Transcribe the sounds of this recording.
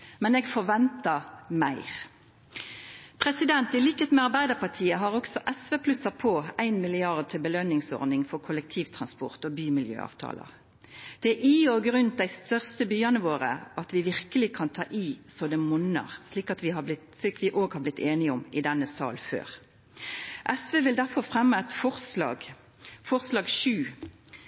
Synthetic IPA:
mɛneːɡfɔʁʋɛnt̪əʁmæɪʁ | pʰʁɛsɪd̪ɛnt̪ɪliːkət̪mɛɑɾbæɪd̪əpɑt̪ʰiːəɦɑːʁɔksɔʔɛsʋeːpʰlʉsɑpʰoːæɪnmɪlɪɑʁd̪̚t̪ʰɪlbəlœnɪŋsɔ̰ʁnɪŋfɔʁkʰʊlək̚t̪ʰiːʋt̪ʰʁɑnspɔ̰ʁt̪oːbyːmɪljø̰ːɑ̰ːʋt̪ʰɑ̰ːlə̰ | d̪̥ɛæʔiːoːɡɾʉnt̪̚d̪æɪst̪œʁst̪əbyːɑnəʋoːʁə̰ʔɑt̪ʋɪʋɪʁkəlɪkʰɑnt̪ʰɑ̰ːʔiːsoːd̪əmʊnə̰ʁsliːkɑt̪ʋɪhɑblɪ | sliːkʋɪʔoːɡhɑɾblɪt̪ʰːeːnɪʊmɪd̪ɛnːəsɑ̰ːlfø̰ːʁ | ʔɛsʋeːʋɪld̪æʁfɔʁfʁɛmːəɛɪt̪fɔʁslɑ̰ːɡ | fɔʁslɑːɡʃʉː

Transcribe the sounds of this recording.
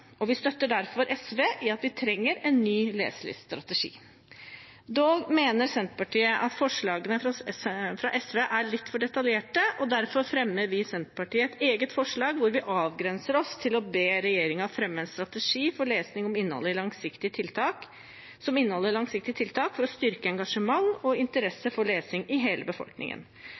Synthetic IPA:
ɔʋɪst̪œt̪ːəɖæɾfɔɾʔɛsʋeːʔɪɑt̪ʋɪt̪ʰɾɛŋːəɾɛnːyːlḛːsəɭɪ̰sst̪ɾɑt̪əʂḭː | d̪oːɡmeːnəɾsɛnt̪pɑʈiːəʔɑt̪fɔʂɭɑːɡənə | fɾɑʔɛsʋeːʔæɭɪt̪ːfɔɖɛt̪ɑljeːʈəʔɔd̪æɾfɔɾfɾɛmːəɾʋɪsɛnt̪pɑʈiːəɛt̪eːɡət̪fɔʂɭɑːɡʋʊɾʋɪʔɑːʋɡɾɛnsəɾɔst̪ʰɪlɔbeːɾɛjeːɾɪŋɑʋfɾɛmːəɛnst̪ɾɑt̪əʂiːfɔɭeːsnɪŋɔmɪnːəhɔ̰lːəɪlɑŋsɪkt̪ɪət̪ʰɪlt̪ʰɑːk | sɔmɪnːəhɔlːəɾɭɑŋsɪk̚t̪ɪət̪ʰɪlt̪ʰɑːkfɔɾɔst̪ʏɾkəɛŋɡɑʂəmɑŋɔɪnt̪əɾɛsːəfɔɭeːsɪŋɪɦeːləbəfɔ̰lknɪ̰ŋə̰n

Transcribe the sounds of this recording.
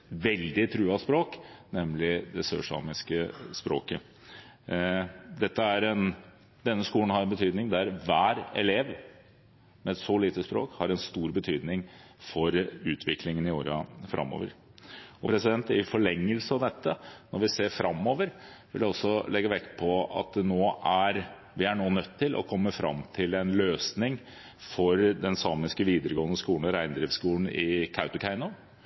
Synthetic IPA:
ʋɛld̪ɪt̪ʰɾʉːɑspɾoːknɛmlɪd̪ɛsøːʂɑ̰ːmɪskəspɾo̰ːkə | d̪ɛt̪ːəæɾɛn | d̪ɛnːəskuːlən̩hɑɾɛnbət̪ʰyːd̪nɪŋd̪æɾʋæːɾɛ̰leːʋ | mɛɛt̪sɔliːt̪əspɾo̰ːkhɑɾɛnst̪uːɾbət̪ʰyːd̪nɪŋ | fɔɾʉːt̪ʰʋɪkʰlɪŋənɪoːɾɑfɾʔɑ̰mːo̰ʋə̰ɾɔpʰɾɛsɪd̪ɛnt̪ɪfɔɭɛŋːəlsəɑʋd̪ɛt̪ʰːənɔɾʋɪseːɾfɾɑmːoːʋəɾʋɪ̰ld̪ɛɔsɔlɛɡːəʋɛkːpʰɔɑ̰t̪̚d̪noːʔæɾ | ʋɪæɳoːnœt̪ʰːɪlʔɔ̰kʰɔmːəfɾɑ̰mt̪ʰɪlɛnløːsnɪŋ | fɔɾd̪ɛnsɑːmɪskəʋiːd̪əɾəɡoːnːəskuːlnɔɾæɪnd̪ɾɪfskuːn̩ɪkʰaʊt̪ʊkʰæɪnʊ

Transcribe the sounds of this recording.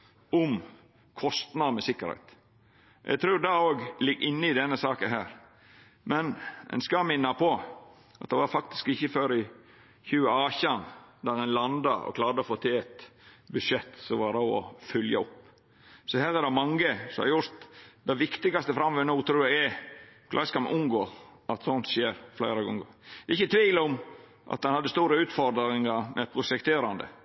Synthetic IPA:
ʊm | kʰɔst̪nɑmɛsɪkːəɾhɛ̰ɪt̪ | ʔɛ̰ɡt̪ʰɾʉːɾd̪ɑoːɡlɪɡːɪnːəɪd̪ɛnːəsɑːkəɦæːɾ | mɛnɛ̰nskɑmɪnːɑpʰɔ | ʔɑt̪̚d̪ɛʋɑɾfɑkt̪ɪ̥skɪçːəføːɾɪ | çʉːəɑːçɑnd̪æɾɑnlɑnd̪ɑɔ̰kʰlɑːɾd̪əɔfoːt̪ʰɪlɛt̪bʉʂɛt̪ːsɔʋɑɾɑɔ̰fʏljɑ̰ɔpː | sɔhæːɾɛd̪ɑmɑŋːəsɔmɑ̰jʊɾt̪d̪ɛʋɪkt̪ɪɡɑst̪əfɾɑmʋɛnuːt̪ʰɾuːjæɛkʰlʔɑ̰ːskɑmʔʊŋɡoːɑt̪sɔnt̪ʃeːɾflæɪɾɑɡɔŋɡoɪçːət̪ʰʋiːlɔm | ʔɑ̰t̪d̪ɛnhɑd̪ːəst̪uːɾəʉːt̪fɔɾd̪ɾɪŋɑɾmʔɛ̰pʰɾʊsɛkt̪ʰeːɾɑnd̪ə̰

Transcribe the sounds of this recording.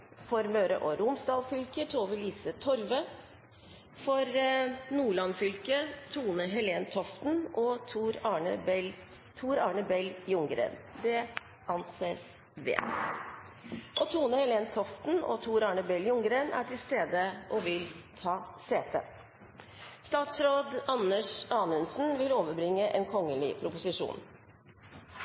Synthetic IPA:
fɔɾmøːɾə̰ʔɔɾʊmsd̪ɑːlfʏlkət̪ʰoːʋəɭiːsət̪ʰɔɾʋə | fɔɾnuːɭɑnfʏlkət̪ʰuːnəɦɛleːnt̪ʰɔft̪n̩ʔɔt̪ʰuːɾɑːɳəbl | t̪ʰuːɾɑ̰ːɳəbɛljʊŋɡɾḛːnd̪ɛ | ɑnseːs | ʋḛːt̪ | ʔɔt̪ʰuːnəhɛleːnt̪ʰɔft̪n̩ɔ̰t̪ʰuːɾɑːɳəbɛlːjʊŋɡɾeːnæ̰ʈʰɪlst̪eːd̪əʔɔʋɪlt̪ʰɑːseːt̪ʰə̰ | st̪ɑːt̪sɾoːd̪ɑnəʂɑːnʉnsnʋɪloːʋəɾbɾɪŋːəʔeːnkʰɔŋːəlɪ̰pʰɾʊpʊsɪʂṵːn

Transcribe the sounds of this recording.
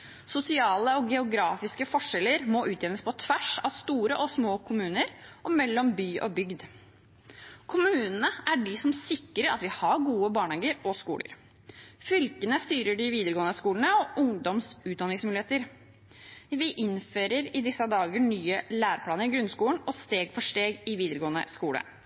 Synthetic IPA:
sʊsɪɑːləɔɡɛʊɡɾɑːfɪskəfɔʂɛlːəɾmɔʔʉːt̪jɛʋnəspʰɔt̪ʰʋæʂɑ̰ʋst̪uːɾəʔɔsmoːkʰʊmʉːnəɾʔɔmɛlːɔmbyːʔɔ̰bʏɡd̪ | kʰʊmʉːnənəæɖɪsɔmsɪkːəɾəɑt̪ʋɪhɑɾɡuːəbɑːɳheːɡəɾɔskṵːlə̰ɾ | fʏlkənəst̪yːɾəɖɪʋiːd̪əɾəɡoːənəskuːlnəɔʔʊŋd̪ɔmsʉːt̪̚d̪ɑnɪŋsmʉːlɪheːt̪əɾ | ʋɪʔɪnføːɾəɾɪd̪ɪsːɑd̪ɑːɡəɳyːəlæːɾəpʰlɑːnəɾɪɡɾʉnskuːlən̩ɔst̪eːɡfɔʂʈeːɡɪʋiːd̪əɾəɡoːənə̰skuːlə̰

